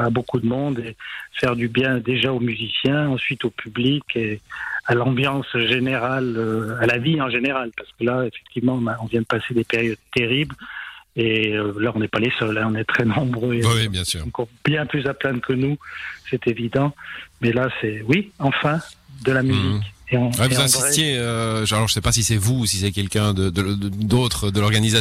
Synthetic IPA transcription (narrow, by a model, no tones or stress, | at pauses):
abokud̪əmɔ̃d̪efɛʁd̪ybjɛ̃d̪eʒaomyzisjɛ̃ɑ̃sɥit̪opʰyblikʰealɑ̃bjɑ̃sʒeneʁaløalaviɑ̃ʒeneʁalpaʁsə̥kəlaefɛk̚t̪ivmɑ̃ɔ̃naɔ̃vjɛ̃d̪əpased̪epeʁjɔd̪̚t̪eʁibleølaɔ̃nɛpalesœlɛ̃ɔ̃nɛt̪χɛnɔ̃bʁøewibjɛ̃sy̰ːʁ̃kɔb̥jɛ̃plyzaplɛ̃nkʰənusɛt̪evid̪ɑ̃mɛlasɛwiɑ̃fɛ̃d̪əlamyzikeɔ̃wɛvuzɛ̃sit̪jeøʒalɔʁʒəsɛpasisɛvusisɛkʲɛlkʲɛ̃d̪əd̪əd̪ot̪χəd̪əlɔʁɡaniza